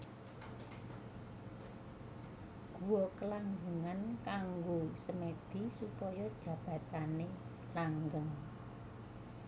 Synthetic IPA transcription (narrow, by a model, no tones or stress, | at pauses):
ɡ̥ṳwɔkəlaŋɡəŋankaŋɡosəmed̪̥i̤supɔjɔd̥ʒ̥ä̤b̥ä̤t̪ane | laŋɡəŋ